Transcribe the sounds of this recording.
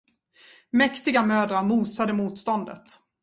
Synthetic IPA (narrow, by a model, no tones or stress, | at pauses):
mɛkt̪ɪɡamøːd̪ɾaɾmuːsad̪əmuːt̪st̪ɔnd̪ə̰t̪